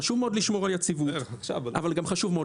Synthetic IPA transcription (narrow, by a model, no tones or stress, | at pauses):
ʃuvmeod̪liʃmo̞ʁaljat͡sivuʃa̰vaʔa̰valɡamχaʃuvmeo